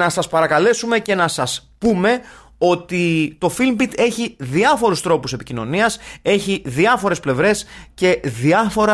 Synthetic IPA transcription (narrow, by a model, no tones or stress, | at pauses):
nɐsɐspɐɾɐkɐle̞sume̞ce̞nɐsɐspume̞ | o̞t̪it̪o̞filmbit̪e̞çiðiɐfo̞ɾust̪ɾo̞puse̞picino̞̰niɐse̞çiðiɐfo̞ɾe̞sple̞vɾe̞sce̞ðiɐfo̞ɾɐ